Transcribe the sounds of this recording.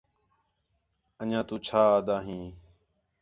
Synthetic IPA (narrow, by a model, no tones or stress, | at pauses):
əɲãːt̪ũːt͡ʃʰaːaːd̪aːɦĩː